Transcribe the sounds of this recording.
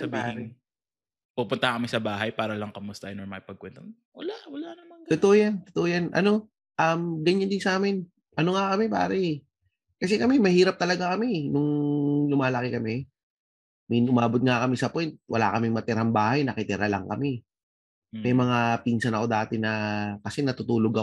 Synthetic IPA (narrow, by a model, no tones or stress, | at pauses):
sɐbaːha | pupʊnt̪ɐkɐmɪsɐbaːɦɐjpaːɾɐlɐŋkɐmʊst̪aʔɪnɔɹmaɪpɐɡ̚kwɛnt̪om | wɐlawɐlanɐmat̪ʊt̪oʔojant̪ʊ̥t̪oʔojanʔɐ̰no̞ | ʔɐmɡɐɲːand̪ɪnsaːmɪn | ʔɐno̞ŋakɐmɛpa̰ːɾɛʔ | kɐs̬ɛkɐmɛmɐhiːɾɐp̚t̪ɐlɐɡakɐmɛnʊŋlʊmaːlɐkɪkɐmɛ | mɪnʔʊmaːbot̪̚ŋakɐmɪsɐpwɛnt̪̚wɐ̰la̰kɐmɪŋmɐt̪ɪɾambaːhɐjnɐkɪt̪ɪɾalɐ̰ŋkɐmɛ | mɛjmɐŋapiːnsɐnɐko̞d̪aːt̪ɛnɐkɐsɛnɐt̪ʊt̪uːloɡɐ